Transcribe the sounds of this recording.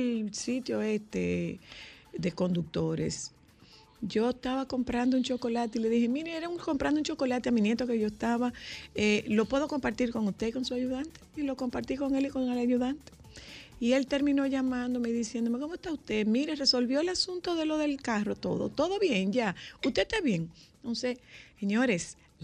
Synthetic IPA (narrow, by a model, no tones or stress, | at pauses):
lsit̪jo̞e̞st̪e | ðe̞ko̞nd̪uk̚t̪o̞ɾe̞̰s | ɟ͡ʝo̞est̪aβako̞mpɾand̪ouŋt͡ʃo̞ko̞lat̪̬eile̞ðihemiɾeeɾauŋko̞mpɾand̪ouŋt͡ʃo̞ko̞lat̪eaminjet̪o̞ke̞ʝo̞est̪aβaelo̞pwe̞ð̞o̞ko̞mpaɾt̪iɾko̞ŋust̪e̞iko̞nsuaʝuðant̪e̥ilo̞ko̞mpaɾt̪iko̞ŋe̞liko̞ŋalaʝuðant̪e̥ | ie̞lt̪e̞ɾmĩno̞ʝamãnd̪o̞meðisje̞nd̪ome̞ko̞moest̪aust̪e̞miɾere̞so̞lβjo̞elasunt̪o̞ðe̞lo̞ðe̞lkaro̞t̪o̞̰ðo̰t̪o̞ðoβje̞ŋɟ͡ʝaust̪e̞t̪aβje̞ŋnoseeɲo̞ɾes